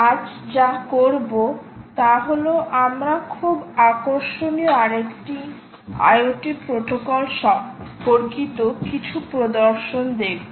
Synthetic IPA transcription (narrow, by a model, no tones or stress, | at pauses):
ad͡ʑd͡ʑakoɾbot̪aɦoloʔamɾakʰubakoɾʃonioaɾekʈi | a̰joʈipɾot̪okɔlʃɔbkoɾkit̪okit͡ɕʰupɾod̪oɾʃond̪ebo